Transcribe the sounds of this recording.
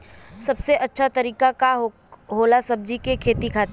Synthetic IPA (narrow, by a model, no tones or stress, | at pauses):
sɐbseʔɐtːʃʰat̪ɐɾiːkaka | ɦoːlasɐb̚d͡ʒikekʰeːt̪ikʰaːt̪e